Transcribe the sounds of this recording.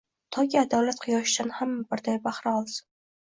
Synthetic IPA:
t̪ʰɒkʲʰiad̪ɒwlat̪qʰɨjɒʃɪd̪anhamːabɪɾd̪ajbaχɾaɒlˠsɪ̥

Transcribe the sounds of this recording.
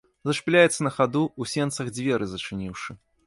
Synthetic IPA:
zɐʂplʲajɛt̪sɐnɐxad̪uusʲɛnt̪sɐɣd͡zʲvʲɛɾɨzɐt͡ʂɨnʲiwʂɨ

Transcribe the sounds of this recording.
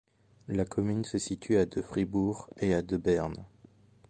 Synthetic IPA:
lakʰɔmynsəsit̪ʰɥyad̪əfχibuʁead̪əbɛʁn

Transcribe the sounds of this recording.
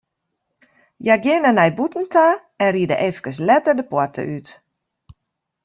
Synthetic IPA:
jaɡjɪnənɛjbutn̩tʰa | ɛnriədə̰ʔefkəs̬lɛtərdəpwɔtʰə̰ʔyt

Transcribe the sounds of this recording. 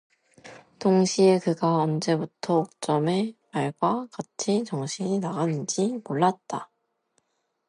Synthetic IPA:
toŋɕʰie̞kɯɡaʌnd͡ʑe̞butʰʌok̚t͡ɕ͈ʌme̞maɭɡwakat͡ɕʰit͡ɕʌŋɕʰiɲinaɡanɯnd͡ʑimoɭːat̚t͈a

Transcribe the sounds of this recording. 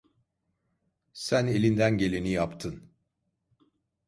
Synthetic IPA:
sæne̞lʲind̪ænɟe̞lʲe̞nijapt̪ʰɯn

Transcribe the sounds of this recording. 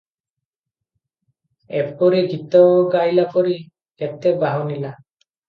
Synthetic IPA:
ɛ̰p̚kɔɾiɡit̪ɔwɡajlapɔɾi | ɡɛt̪ːebaɦɔnila

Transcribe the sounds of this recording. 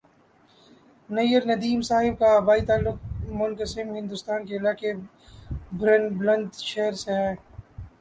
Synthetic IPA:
nɐjəɾnɐd̪iːmsaːɦɪb̚kaːbaːit̪aːlːʊk̚mʊnkəsɪmɦɪ̃nd̪ʊst̪aːnkeɪlaːke | bɾɐnblɐ̃nd̪ʃeɦɾseɦɛː

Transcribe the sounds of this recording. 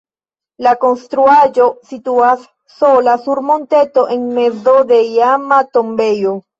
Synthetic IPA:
lako̞nstɾuad͡ʒo̞situasː | o̞lasuɾmo̞nte̞to̞ʔe̞nme̞zo̞de̞jamato̞mbe̞jo̞

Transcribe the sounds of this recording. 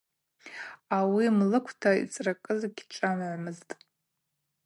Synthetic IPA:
awimlɨkʷʰtʰaḭt͡sʼrakʼɨzɡʲʰʈ͡ʂʼamʕʷmɨztʼ

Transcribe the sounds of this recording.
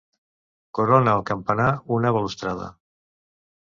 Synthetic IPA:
koɾonaːlˠkəmpanaunəβəlust̪ɾaðə̰

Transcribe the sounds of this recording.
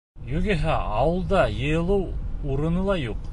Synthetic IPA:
jɵɡɘɦæɑwɤ̆lˠd̪ɑjɤ̆jɤ̆lˠɤwuɾɤ̆nɤlˠɑjuq

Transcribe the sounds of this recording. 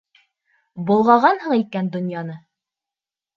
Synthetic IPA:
bŏlˠʁɑʁɑnhɤɴikænd̪ŏnjɑnɤ

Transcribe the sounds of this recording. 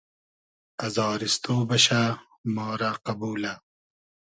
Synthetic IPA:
ɐzɑːɾist̪oːbɐɕa | mɑːɾaqɐbuːla

